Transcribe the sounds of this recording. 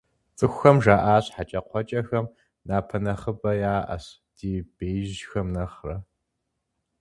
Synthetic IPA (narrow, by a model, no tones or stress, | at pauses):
t͡sʼɨxʷxɐmʒaːʔaːɕħat͡ʃʼɐqʷʰɔt͡ʃʼɐxɐm | naːpʰɐnɐχəbɐjaːʔɐ̰ɕ | d̥iːb̥eːʒxɐmnɐχrɐ